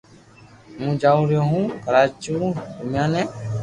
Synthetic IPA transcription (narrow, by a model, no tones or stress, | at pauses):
mũːd͡ʒaːũːɾjõːɦũːkəɾaːt͡ʃuːd̪ʊmjãːnɛ̃ː